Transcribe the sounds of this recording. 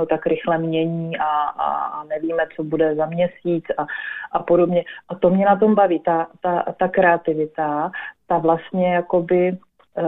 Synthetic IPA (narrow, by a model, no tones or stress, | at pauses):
ot̪akɾɪxlɛmɲɛɲiːʔa̰ | nɛviːmɛt͡so̞budɛzamɲɛsiːt͡saʔapo̞do̞bɲɛʔat̪o̞mɲɛnat̪̬o̞mbaviːt̪at̪at̪akɾɛat̪ɪvɪt̪at̪avlast̪ɲɛjako̞bɪ